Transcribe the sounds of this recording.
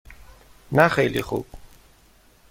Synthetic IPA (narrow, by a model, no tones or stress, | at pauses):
naχeliχṵb̥̚